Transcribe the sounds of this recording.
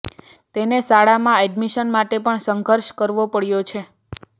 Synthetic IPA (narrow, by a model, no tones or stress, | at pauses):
t̪enesaɭamãɛɖmiʃənmaʈepəɳsəŋɡʱəɾʃkəɾʋopəɽjot͡ʃʰe